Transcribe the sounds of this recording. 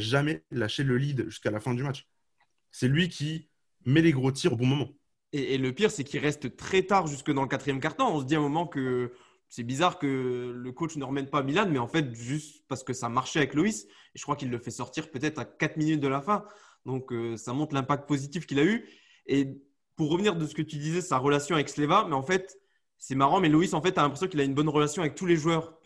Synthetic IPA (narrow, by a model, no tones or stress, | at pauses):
aʒamɛlaʃeləlid̪ʒyskalafɛ̃d̪ymat͡ʃ | sɛlɥikʲi | mɛleɡʁot̪̬iʁobɔ̃mɔmɑ̃ | eːləpiʁsɛkʲiʁɛst̪t̪χɛt̪aʁʒyskəd̪ɑ̃ləkat̪χijɛmkaʁt̪ɔ̃ɔ̃s̬əd̪iamɔmɑ̃kə | sɛbizaʁkələkot͡ʃnəʁəmɛnpamilanmɛɑ̃fɛt̪ʒyst̪paʁsə̥kəsamaʁʃɛavɛklois | eʒəkχwakilːəfɛsɔʁt̪iʁpøt̪ɛt̪χakat̪minyt̪̚d̪əlafɛ̃ | d̪ɔ̃køsamɔ̃t̪χlɛ̃pak̚t̪̚pozit̪ifkʲilay | e | puʁːəvniʁd̪əsə̥kət̪yd̪izɛsaʁəlasjɔ̃avɛkslevamɛɑ̃fɛt̪ | sɛmaʁɑ̃mɛloisɑ̃fɛt̪alɛ̃pχesjɔ̃kilaynbɔnʁəlasjɔ̃avɛk̚t̪uleʒwœːʁ